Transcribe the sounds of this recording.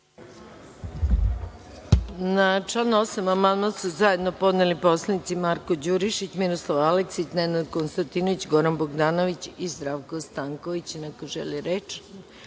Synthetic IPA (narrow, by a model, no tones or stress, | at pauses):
nat͡ʃlanosamamand̪mansuzaje̞d̪no̞po̞d̪nelipo̞slˠanit̪simaɾkod͡ʑuɾiʃit͡ɕmiɾoslˠaʋaleksit͡ɕnenad̪konst̪ant̪inoʋit͡ɕɡo̞ɾanboɡd̪aːno̞ʋit͡ɕizd̪ɾaʋkost̪aŋkoʋit͡ɕinakoʒɛ̰liɾet͡ʃ